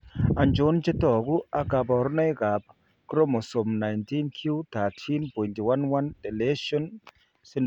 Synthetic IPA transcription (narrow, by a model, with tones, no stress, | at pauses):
a˨nd͡ʒo˨˦nt͡ʃe˦tɔ˨ku˦a˨ɡa˨pɔ˨ɾna˦jɡa˨p̚ | kɾo˦mo˨so˨mna˨jnti˦nkʰju˦t̪a˨tʰi˦nbo˨nti˨wa˦nwa˦nte˨le˦ʃo˦n | si˦n